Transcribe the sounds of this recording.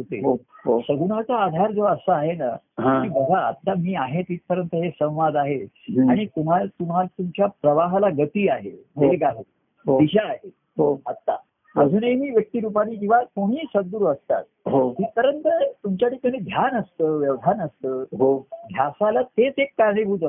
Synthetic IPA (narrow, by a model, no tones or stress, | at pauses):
ɦot̪ḛɦoɦosəɡunat͡saːd̪ʱaɾd͡zoəsəːɦena | kiːbəɡʱaə̰t̪ːamiːaɦet̪iːt̪̚pəɾənt̪əɦesə̃w̃ʋad̪aɦe | aɽ̃it̪um̤alt̪um̤alt̪umt͡ɕjapɾəʋaɦlaɡət̪iːaɦḛmeɡaɦe | ɦod̪iɕaːɦe | ɦoət̪ːa̰ | məd͡zʱuːnemiːʋjək̚t̪iɾup̬aniːd͡ʑĩʋ̤akoɽ̤̃iːsəd̪uːɾəst̪a̰t̪̚ɦoɦ̪iːtəɾənt̪ət̪umt͡ɕjaʈʰikaɽ̃iːd̪ʱjanəst̪əːʋjəʋd̪ʱanəst̪əːɦoɡ̪ʱjasalat̪et͡sekːaɾɳebʱut̪ə